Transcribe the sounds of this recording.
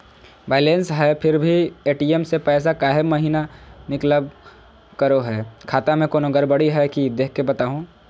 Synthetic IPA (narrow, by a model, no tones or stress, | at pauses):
ʋaːɪlẽːnsɦɛpʰɪɾbʱieːʈiːemsepɛːs̬akaːɦemɐɦiːnanɪkləb̚ | kəɾoɦɛːkʰaːt̪amẽkoːnoɡəɾbəɽiɦɛkid̪eːkʰkːebɐt̪aːɦũː